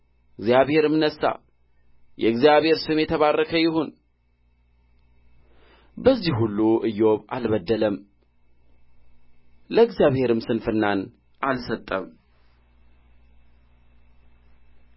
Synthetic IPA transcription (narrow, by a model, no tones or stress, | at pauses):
ɨɡzijaβhe̞ɾɨmnəsːa̰ | jɛɨɡzjaβhe̞ɾsɨmjɛt̪ʰəβarːəkʰəjɪhon | bəzːihulːuʔɨjo̞βa̰lβəd̪ːələm | ləɨɡzijaβhe̞ɾɨmsɨnfɨnːan | ʔalsət̪ʼːəm